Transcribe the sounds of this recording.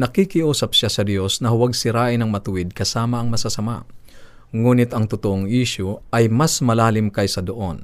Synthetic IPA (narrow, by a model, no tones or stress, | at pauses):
nɐkikɪʔuːsɐp̚ʃasɐd̪jo̞snɐhʊwaɡ̚sɪɾaːʔɪnɐŋmɐt̪ʊwɪd̪̚kɐsaːmɐʔɐŋmɐsasɐma̰ | ŋuːnɪt̪ʔɐŋt̪ʊt̪oʔoŋʔiʃoʔɐjmɐsmɐlaːlɪmkɐjsɐd̪oʔo̞n